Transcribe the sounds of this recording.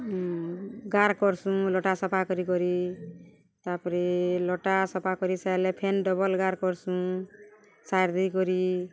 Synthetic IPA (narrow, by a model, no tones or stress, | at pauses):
ɡaɾkɔɾsũlɔʈasɔpʰakɔɾikɔɾi | t̪apɔɾilɔʈasɔpʰakɔɾisajlepʰenɖɔbɔlɡaɾkɔɾsũ | saɾd̪ikɔɾi